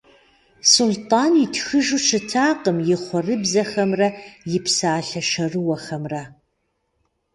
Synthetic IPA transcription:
sʊltʼaːnitʰxɨʒut͡ʃʰɨtʰaːqəmjɪχʷɔrɨbzɐxɐmrɐjɪpsaːɬɐʂɐrɨwɐχɐmrɐ

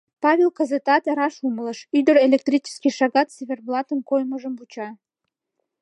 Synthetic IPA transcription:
pɑβʲelkəzet̪ɑt̪eɾɑʃumələ̆ʃyd̪əɾelʲek̚t̪rʲit͡ʃɪ̥skʲiʃɑɣɑt̪sʲeβʲerblˠɑt̪ənkojməʒəmbut͡ɕɑ

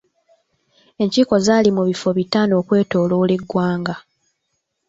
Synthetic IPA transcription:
e̞ɲciːko̞zaːlimuβifo̞βitano̞ːkwe̞ːto̞ːloːleɡːwaːŋɡa

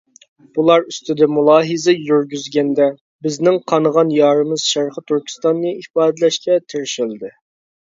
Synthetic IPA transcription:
b̥ulˠɑɾyst̪ɪd̪ɛmulˠɑːɦɨzɛjyɾɡʲyzɡʲɛnd̪ɛ | bɪznɪŋqʰɑnəʁɑnjɑːɾɨmɨz̥ʃæɾχət̪ʰyɾkʲʰi̥st̪ɑnːɨifɑːd̪ɨlɛʃkʲʰɛt̪ʰɪɾɪʃɪld̪ɨ

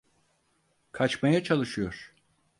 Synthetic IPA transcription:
kʰat͡ʃmajat͡ʃʰalˠɯʃɯjo̞ɾ̥

